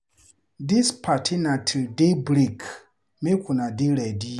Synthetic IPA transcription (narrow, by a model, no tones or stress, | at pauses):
dispʰatʰinatʰudebɾik | mekʰunadelɛdi